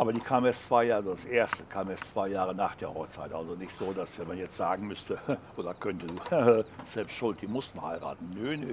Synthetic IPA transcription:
ʔaːbɐdiːkʰaːmjɛst͡sv̥aɪjaːzodasʔeːɐstəkʰaːmjɛt͡st͡sv̥aɪjaːʁ̞ənaːχd̥eːɐhɔχt͡sa̰ɪtʔa̰lzonɪçtz̥oːdasɛmanjɛt͡stz̥aːɡŋ̩mʏstəʔʔoːdɐkʰœntəduːz̥ɛlpstʃʊlt̚d̥iːɐmʊstn̩ha̰ɪʁa̰ːtn̩nønø

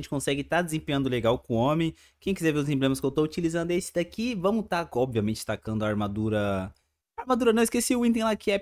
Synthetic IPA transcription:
ẽt͡ʃɪkõsɛɡɪt̪ad̪ɪzẽpẽɲɐ̃nd̪ʊleɡawkõõmẽj̃ | kẽj̃kizɛveʊzẽblẽmɐskewt̪out͡ʃilizɐ̃nd̪ʊesɪ̥d̪akivɐ̃mʊt̪aɔbviɐmẽnt͡ʃɪ̥t̪akɐ̃nd̪ʊaːɾmad̪uɾɐ | aɾmad̪uɾɐnɐ̃w̃ɪskesiʊĩt̪ẽlakɪɛ

